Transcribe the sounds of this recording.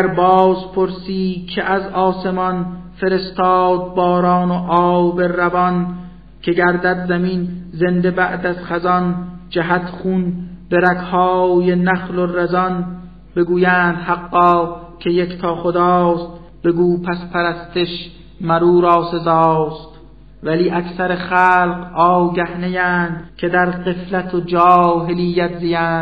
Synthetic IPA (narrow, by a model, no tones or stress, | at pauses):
ɾbɒːzpʰoɾsiːkʲʰeʔæzɒːse̞mɒnfe̞ɾe̞st̪ɑːd̪̚bɒːɾɑːnoʔɒːwberævɒn | kʰe̞ɡæɾd̪æd̪zæminze̞nd̪e̞bæʔd̪æz̥χæzɒnd͡ʒæɦæt̪χunbeɾækhɒːjenæχlorezɒn | b̥e̞ɡuːjæːnd̪hæqːɒːkʰe̞jekt̪ʰɒːχod̪ɑːst̪ | b̥e̞ɡuːpʰæspʰæɾæst̪eʃ | mæɾuːɾɒːse̞zɑːst̪ | væliːʔækʰsæɾeχæːlqɒːwɡæhnejæːnd̪kʰe̞d̪æɾɢe̞flæt̪ʰod͡ʒɑɒːɦe̞lijːæt̪zijæːnd̪